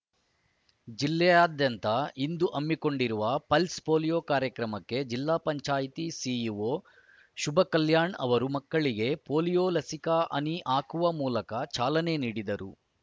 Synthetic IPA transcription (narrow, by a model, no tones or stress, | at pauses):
d͡ʒilːɛjaːd̪jɐnt̪ɐind̪uʔɐmːiko̞ɳɖiɾuʋɐpɐlspo̞ːlijoːkaːɾjɐkɾɐmɐkːe̞d͡ʒilːaːpɐɲt͡ʃaːjt̪isijuʋoː | ʃubʱɐkɐljaːɳɐ̰ʋɐɾumɐkːɐɭiɡe̞poːlijoːlɐsikɐʔɐ̰niʔaːkuʋɐmuːlɐkɐt͡ʃaːlɐne̞niːɽid̪ɐɾṵ